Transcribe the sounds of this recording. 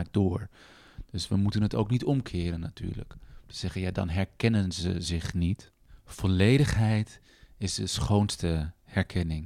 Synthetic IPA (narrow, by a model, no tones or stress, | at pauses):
k̚dʊːɹ | d̥ɵsʋəmutənɦətowknitɔmkʰɪːɾənːaty̰ːɹlə̰ktə̥z̥ɛχənjaːdɑ̰nɦɛɹkɛnənzə̰zɪχnit | v̥ɔlejdəχɦɛjt | ɪzdəsχownstə | hɛɹkʰɛnɪŋ